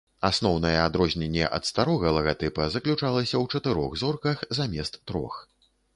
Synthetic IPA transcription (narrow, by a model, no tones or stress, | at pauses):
asn̪ɔwnɐjɛad̪ɾɔzʲnʲɛnʲːɛ̰ʔɐ̰t̪st̪aɾɔɣɐlˠɐɣat̪ɨpɐzɐklʲut͡ʂalˠɐsʲɐwt͡ʂɐt̪ɨɾɔɣzɔrkɐxzamʲɛst̪ːɾɔ̰x